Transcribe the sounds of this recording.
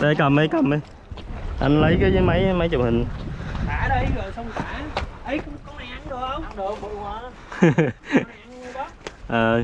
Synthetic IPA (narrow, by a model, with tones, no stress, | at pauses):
ɗə˧jkə˨˩mʔə˨˧jkə˨˩mʔə˨˧j | ʔa˧nlə˨˦jkaː˨˦jjma˨˦jma˨˦jt͡ɕʊ˨˩wŋ͡mhï˨˩ŋ̟haː˧˨˦ɗə˧jɣə˨˩jsɔ˧wŋ͡mka˨˧˩ʔə˨˦jkʊ̰˧˥˦ŋ͡mkɔ˨˦a˧a˨˦ŋɗo˧˦ə˧˦wŋ͡mɗə˨˩ɓu˧˨˩haː˨˧˩ | ʔəː˨˩